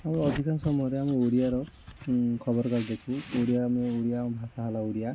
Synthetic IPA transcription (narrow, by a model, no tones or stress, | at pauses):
amiɔd̪ʱikʰansɔmuɦɔɾɛamioɾijaɾɔ | kʰɔbɔɾkɔɾd̪ekʰũoɾijaamioɾijabʱasaɦalauɾija